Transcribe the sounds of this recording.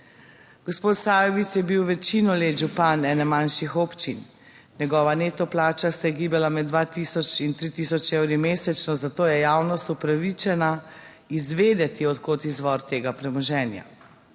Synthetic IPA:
ɡ̥ɔspoːt̪saːjɔʋit̪sjɛbiwʋɛt͡ʃinɔleːʒupanɛːnɛmanʃixopt͡ʃin | nʲɛɡɔːʋaneːt̪ɔplaːt͡ʃasɛjɛɡiːbɛlamɛd̪ʋat̪isɔt͡ʃint̪ɾit̪iːsɔt͡ʃewɾimeːsɛt͡ʃnɔzat̪oːjɛjaːwnɔst̪upɾaʋit͡ʃɛna | izʋeːd̪ɛt̪iɔt̪kot̪izʋɔɾt̪eːɡapɾɛmɔʒɛːnja̰

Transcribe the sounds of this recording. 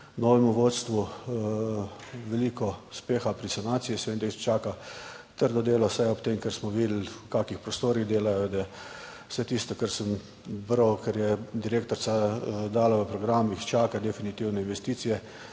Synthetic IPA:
nɔːʋɛmuʋot̪st̪ʋu | ʋɛliːkɔ̥speːxapɾisanaːt̪sijisʋend̪eist͡ʃaːkat̪əɾd̪ɔd̪eːlɔsajɔpt̪emkɛɾsmɔʋid̪l̩kaːkixpɾɔst̪oːɾiɣd̪eːlajɔd̪ɛ | w̥sɛt̪ist̪ɔkɛɾsəm | bɾɔkɛɾjɛd̪iɾeːkt̪ɔɾsad̪aːlaʋəpɾɔɡɾamixt͡ʃaːkad̪ɛfinit̪iwnɛinʋɛst̪iːt̪sijɛ

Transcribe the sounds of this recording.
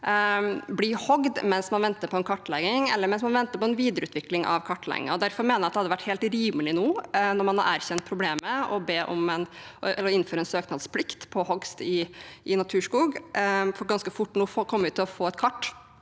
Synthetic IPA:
blihɔɡd̪mɛnsmɑnʋɛnt̪əpʰɔɛnkʰɑʈːlɛɡɪŋɛ̰lːəɾmɛnsmɑnʋɛnt̪əpɔɛnʋiːd̪əɾəʉːt̪ʋɪklɪŋʔɑ̰ʋkʰɑʈːlɛ̰ɡɪ̰ŋɑ̰ɔd̪æɾfɔɾmeːnəjɑt̪d̪hɑd̪ːəʋæʈːheːlt̪ɾiːməlɪnuːnɔɾmɑnhɑ̰ɾæːɾçɛnt̪̚pʰɾʊbleːməɔbeːʔɔmɛnɛləɾɔɪnːføːɾəɛnsøːknɑd̪spʰlɪkt̪pʰɔhɔɡst̪ɪʔɪnɑt̪ʰʉːʂkuːɡfɔɾɡɑnskəfʊʈːnuːkʰɔmːəʉːt̪ːɪlɔfoːɛt̪kʰɑʈː

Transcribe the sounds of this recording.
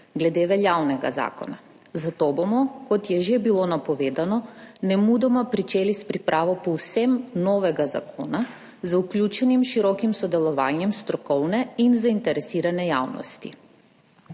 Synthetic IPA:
ɡlɛd̪ɛvɛʎawnɛɡa̰za̰kɔ̰na | zat̪ɔbɔmɔkɔt̪jɛʒɛbilˠɔnapɔvɛd̪anɔnɛmud̪ɔmapɾit͡ʃɛlispɾipɾʔavɔpɔusɛmnɔvɛɡaza̰kʰɔna | zauklʲut͡ʃɛnimʃiɾɔkimsɔd̪ɛlˠɔvaɲɛmst̪ɾɔkɔlnɛinzaint̪ɛɾɛsiɾanɛja̰vnɔ̰st̪ḭ

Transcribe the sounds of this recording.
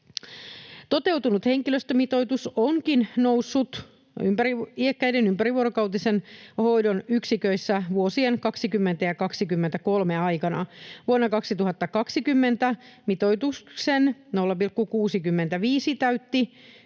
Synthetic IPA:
t̪o̞t̪e̞wt̪unut̪heŋkiløst̪ømit̪o̞jt̪usoŋkinnousːut̪ | ympæɾiiekːæinenympæɾiʋuoɾokɑwt̪isenho̞jdonyksikøisːæʋuosienkɑksikymːent̪æjɑkɑksikymːent̪ækolmeɑjkɑnɑ̰ʋuonːɑkɑksit̪uɦɑt̪ːɑkɑksikymːent̪æmit̪ojt̪uksennolːɑpirkːukuːsikymːent̪æʋiːsit̪æyt̪ːi

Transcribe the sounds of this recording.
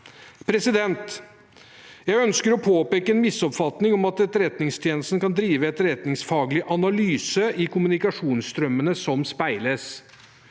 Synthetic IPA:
pʰɾɛsɪd̪ɛnt̪ | jæɪœnskəɾɔpʰoːpeːkəɛnmɪsːɔpfɑt̪nɪŋɔmɑt̪ɛt̪ɾɛt̪nɪŋst̪ʰjeːnəst̪n̩kɑnd̪ɾiːʋəɛt̪ɾɛt̪nɪŋsfɑːɡlɪʔɑnɑlyːsəɪkʰʊmʉnɪkɑʂuːnst̪ɾœmːənəsɔmspæɪləs

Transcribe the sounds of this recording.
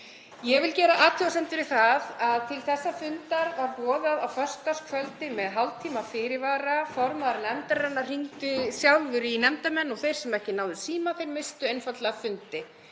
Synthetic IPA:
jɛɣvɪlcɛːɾaʔaːt̪ʰiawsɛmt̪ɪɾɪθaðaðt̪ʰɪlθɛsːafʏnt̪aɾvaɾpɔːðaðawfœr̥st̪askʰvœlt̪ɪmɛðɦawl̚t̪ʰiːmafɪːɾɪvaːɾafɔɾmaðɾnɛmt̪aɾrɛnːarr̥iŋt̪ʏsjawlvʏɾɪinɛmt̪amɛnːɔɣθejɾ̥sɛmɛhcɪnawðʏsiːmaθejɾmɪst̪ʏejnfat̪lafʏnt̪ɪ

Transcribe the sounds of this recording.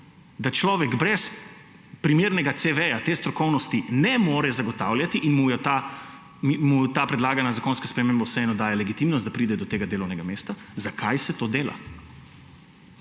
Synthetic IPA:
d̪at͡ʃlɔːʋɛɡbɾɛs | pɾimeːɾnɛɡat̪seʋɛjat̪eːst̪ɾɔkɔwnɔst̪inɛmoːɾɛzaɡɔt̪aːwljat̪iʔinmujɛt̪a | mut̪aːpɾɛd̪laːɡanazakoːnskaspɾɛmeːmbɛwsɛɛːnɔd̪aːjalɛɡit̪imnɔst̪d̪apɾiːd̪ɛd̪ɔt̪eːɡad̪eːlɔwnɛɡameːst̪a | zakʰajsɛt̪oːd̪eːla̰

